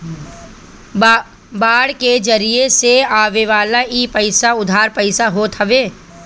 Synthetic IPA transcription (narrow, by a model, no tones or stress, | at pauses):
baːɽked͡ʒɐɾieseaːʋeʋaːlaiːpɐɪsaʊd̪ʱaːɾpəɪsaɦoːt̪ɐʋeː